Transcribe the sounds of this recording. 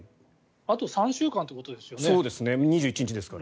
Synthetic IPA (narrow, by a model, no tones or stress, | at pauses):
at̪o̞sãɕɨːkãnt̪ekot̪o̞d̪e̞sɨjo̞snoːd̪e̞sɨne̞ɲ̟iʑɨːit͡ɕiɲ̟it͡ɕid̪e̞sɨ̥kaɾa